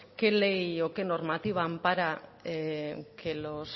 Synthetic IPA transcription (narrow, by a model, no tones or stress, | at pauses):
kelejoke̞no̞ɾmat̪iβaːmpaɾaekelos